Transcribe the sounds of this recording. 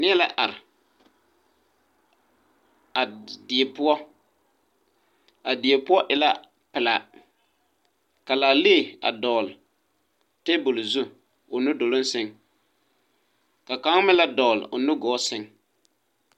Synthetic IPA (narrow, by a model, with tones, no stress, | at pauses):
nɪ˦ɛ˦la˦ʔa˨ɾɪ˨ | a˨dɪ˨e˨pʊ˦ɔ˦ | a˨dɪ˨e˨pʊ˦ɔ˦ʔɪ˨la˦ | pɪ˨la˨ | ka˨laː˨le˦˨a̰˨dɔː˨l | te˦bʊ˨lzu˦ | ʊ˨nʊ˦do˨lo˦nsɪ˦ŋ | ka˨ka˨˦ŋ˦mɪ˦la˦dɔː˨lʊ˨nʊ˦ɡɔː˨˦sɪ˦ŋ